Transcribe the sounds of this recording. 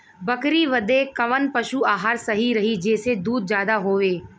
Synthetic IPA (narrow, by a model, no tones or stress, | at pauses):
bɐkɾiʋɐd̪ekɐʋənpɐʃuaːɦaːɾsɐɦiɾɐɦid͡ʒeːsed̪uːd̪̚d͡ʒjaːd̪aɦoːʋeː